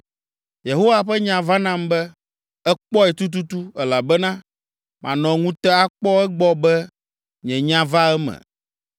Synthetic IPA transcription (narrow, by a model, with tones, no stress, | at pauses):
je˨ɦo˦wa˨ɸɛ˦ɲã˨va˦nã˦mbɛ˦ | ɛ˦k͡pɔ˦ɛ˨t̪u˦t̪̬u˦t̪u˦ɛ˨la˨bɛ˦nã˦ | mã̰˨nɔ̃˨ŋũ˦t̪ɛ˦a˦k͡pɔ˦ɛ˦ɡ͡bɔ˦bɛ˦ | ɲɛ̃˨ɲã˦va˦ɛ˦mɛ̰̃˨